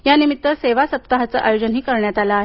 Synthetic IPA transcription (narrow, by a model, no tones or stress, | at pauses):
janimit̪ːəseʋasəp̚t̪aɦat͡səʔajod͡ʑənɦiːkəɾɳjat̪alaːɦe